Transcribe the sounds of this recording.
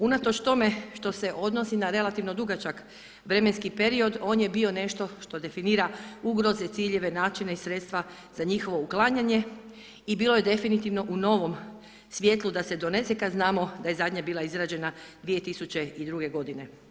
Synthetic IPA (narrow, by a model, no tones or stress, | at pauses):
unat̪o̞t͡ʃt̪o̞me̞ʃt̪o̞seʔo̞d̪no̞sinaɾe̞lˠat̪iʋno̞d̪uɡat͡ʃak | ʋɾe̞me̞nskipeɾio̞d̪o̞ːnje̞bio̞ne̞ʃt̪o̞ʃt̪o̞d̪e̞finiːɾauɡɾo̞zet̪siːʎe̞ʋe̞naːt͡ʃineisɾet̪st̪ʋa | z̥aɲixo̞ʋo̞uklˠaːɲaɲe̞ | ibiːlˠo̞jed̪e̞finit̪iʋno̞ʔuno̞ʋo̞m | sʋjet̪lud̪ase̞d̪o̞nesekad̪znaːmo̞d̪ajezad̪ɲabiːlˠaizɾaːd͡ʑe̞nad̪ʋije̞t̪isut͡ɕe̞id̪ɾuɡe̞ɡo̞d̪ine̞